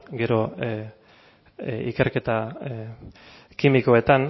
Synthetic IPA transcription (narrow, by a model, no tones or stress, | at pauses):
ɡe̞ɾo̞ | ḭke̞ɾke̞t̪a | kimikoe̞t̪an